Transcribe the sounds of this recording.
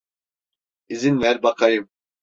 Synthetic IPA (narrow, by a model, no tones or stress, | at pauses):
izinvɛɾbakʰajɯm